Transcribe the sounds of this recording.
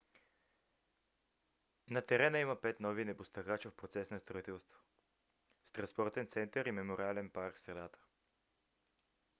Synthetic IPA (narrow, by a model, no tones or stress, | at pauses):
nɐt̪ɛɾɛnəiməpɛt̪nɔvinɛbʊst̪ɐɣat͡ʃəfpɾot̪sɛsnəst̪ɾoit̪ɛlˠst̪vo̥ | st̪ɾɐnspɔɾt̪ɛnt̪sɛnt̪əɾimɛmoɾialɛnpaɾkfsɾɛd̪at̪ə̥